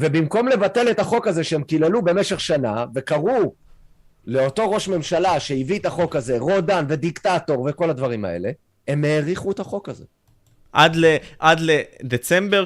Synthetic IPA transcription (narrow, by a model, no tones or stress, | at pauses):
ve̞bimko̞mle̞vate̞le̞taχo̞kaze̞ʃeemkilelube̞me̞ʃe̞χʃanave̞kaʁu | le̞o̞to̞ʁo̞ʃme̞mʃalaʃe̞ivietaχo̞kaze̞ʁo̞danve̞d̪iktato̞ʁve̞ko̞lad̪vaʁima̰ʔe̞̰le̞ | emeːʁiχuetaχo̞kaze̞̰ | ʔad̪leʔad̪led̪et͡sembe